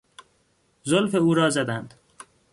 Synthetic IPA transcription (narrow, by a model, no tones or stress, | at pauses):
zolfeuːɾɒːzæd̪ænd̪̥